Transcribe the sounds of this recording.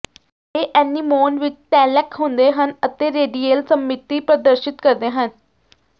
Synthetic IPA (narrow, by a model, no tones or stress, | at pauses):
eːʔɛːniːmoːnʋɪt͡ʃʈ̪ɛːlɛkɦʊ̃nd̪eːɦənət̪eːɾeːɖiːeːlsəmːɪt̪iːpɾəd̪əɾʃɪt̪kəɾd̪eːɦən